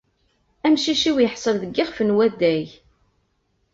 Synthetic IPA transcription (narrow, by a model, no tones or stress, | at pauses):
æmʃiʃiwjəħsˤəlðəɡːɪʁfənwæd̪æj